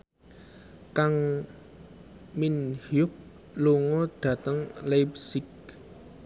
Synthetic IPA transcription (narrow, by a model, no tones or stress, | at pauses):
kaŋ | minhjʊk̚ | loŋɔd̪̥ä̤t̪əŋlajp̚sɪk̚